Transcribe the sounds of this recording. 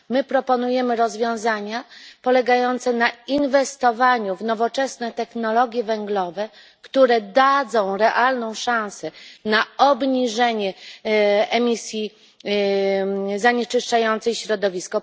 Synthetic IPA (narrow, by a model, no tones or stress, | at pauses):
mɘpɾɔpɔnujɛmɘɾɔzvʲjɔ̃w̃zaɲapɔlɛɡajɔnt̪sɛnainvɛst̪ɔvaɲuvnɔvɔt͡ʂɛsnɛt̪ɛxnɔlɔɡʲjɛvɛŋɡlɔvɛ | kt̪uɾɛd̪ad̪zɔ̃w̃ɾɛʔalnɔ̃w̃ʂãw̃sɛnaɔbɲiʐɛɲɛ | ɛmʲisʲji | zaɲɛt͡ʂɘʂt͡ʂajɔnt̪sɛjɕɾɔd̪ɔvʲiskɔ